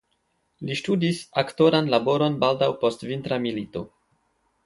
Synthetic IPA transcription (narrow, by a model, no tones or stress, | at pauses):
liʃtudisakto̞ɾanlabo̞ɾo̞nbaldawpo̞stvintɾamilito̞